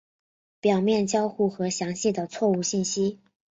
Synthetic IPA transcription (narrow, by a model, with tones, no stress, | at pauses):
pjɑ˨˩ʊmjɛ˥˩nt͡ɕjɑ˥ʊxu˥˩xɤ˧˥ɕjɑ˧˥ŋɕi˥˩d̪ə˩t͡sʰwɔ˥˧u˥˧ɕi˥˩nɕi˥